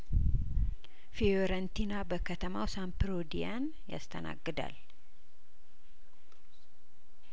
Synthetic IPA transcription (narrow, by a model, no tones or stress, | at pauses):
fioɾənt̪inabəkʰət̪ʰəmawsampɨɾod̪ijan | ja̰st̪ʰəna̰ɡːɨd̪a̰l